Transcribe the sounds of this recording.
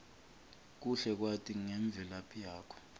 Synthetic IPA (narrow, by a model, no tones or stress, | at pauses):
k̬uɬɛk̬watʰʼiŋɛɱb̪vʱɛlapʰijaːkʰɔ̥